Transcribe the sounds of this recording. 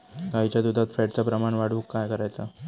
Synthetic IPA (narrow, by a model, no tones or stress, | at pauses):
ɡaɦit͡ɕjad̪ud̪ʱat̪fɛʈt͡sapɾəmaɳʋaɽ̤uːkːajkəɾajt͡sa